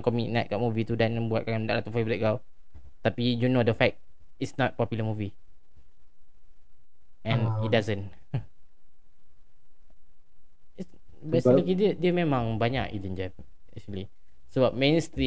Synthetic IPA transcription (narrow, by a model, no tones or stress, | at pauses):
kɔminat̪̚kaʔ̚mũvit̪udanbuat̚kandaʔlat̪ufevəɾit̚ɡaw | t̪apijunodəfɛk̚t̚ | isnɔt̪̚pɔpjuləmuvi | ɛ̃nit̚dazə̃n | is | bɛsəkidiədiəmẽmãŋbaɲa̰kḭd͡ʒənd͡ʒa | ɛk̚ʃəli | səbap̚mẽnst̪ɾi